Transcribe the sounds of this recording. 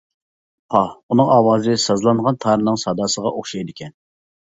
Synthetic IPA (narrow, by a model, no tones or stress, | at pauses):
pʰɑunɨŋɑːwɑːzɨsɑzlˠɑnʁɑnt̪ʰɑɾɨnɨŋsɑd̪ɑːsəʁɑʔoχʃɑjd̪ɪkʲʰɛn